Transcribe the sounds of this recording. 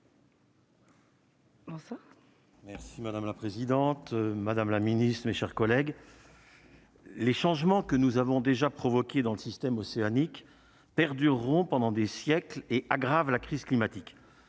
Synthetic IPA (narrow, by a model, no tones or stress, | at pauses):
bɔ̃swa | mɛʁsimad̪amlapχezid̪ɑ̃t̪mad̪amlaminist̪χmeʃɛʁkɔlɛɡ | leʃɑ̃ʒmɑ̃kənuzavɔ̃d̪eʒapχɔvɔkʲed̪ɑ̃ləsist̪ɛmɔseanik | pɛʁd̪yʁːɔ̃pɑ̃d̪ɑ̃d̪esjɛkleʔaɡʁavlakχizklimat̪ik